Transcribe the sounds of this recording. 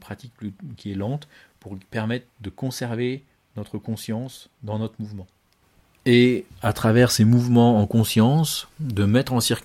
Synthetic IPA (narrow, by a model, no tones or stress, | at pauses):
pχat̪ik̚kʲiɛlɑ̃t̪puʁpɛʁmɛt̪χd̪əkɔ̃sɛʁve | nɔt̪χəkɔ̃sjɑ̃s | d̪ɑ̃nɔt̪χəmuvmɑ̃ | eat̪χavɛʁsemuvmɑ̃ɑ̃kɔ̃sjɑ̃sd̪əmɛt̪χɑ̃siʁkʲ